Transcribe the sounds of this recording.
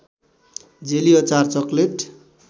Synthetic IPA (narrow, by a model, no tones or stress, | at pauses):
d͡zeliʌt͡sart͡sʌkleʈ